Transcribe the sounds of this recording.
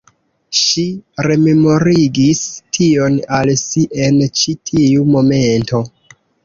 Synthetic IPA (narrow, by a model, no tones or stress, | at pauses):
ʃiɾe̞me̞mo̞ɾiɡistʰio̞nalsiʔe̞nt͡ʃitʰiumo̞me̞nto̞